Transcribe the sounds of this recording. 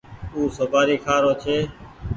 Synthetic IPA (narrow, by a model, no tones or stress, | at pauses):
uːsəbʱaːɾiːkʰaːɾoːt͡ʃʰeː